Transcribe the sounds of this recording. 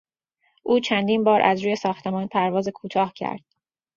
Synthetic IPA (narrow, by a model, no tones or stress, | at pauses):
ʔuːt͡ʃʰænd̪iːnbɒːɾʔæ̰zɾuːje̞sɒːxt̪ʰe̞mɒːnpʰæɾvɒːze̞kʰuːt̪ʰɒːhcʰæ̰ɾd̪̥